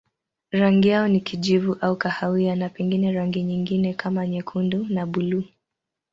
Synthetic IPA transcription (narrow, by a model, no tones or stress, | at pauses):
ɾaŋɡijaɔnikiʄivuʔaukahawianapɛŋɡinɛɾaŋɡiɲiŋɡinɛkʰamaɲɛkʰundunaɓuluː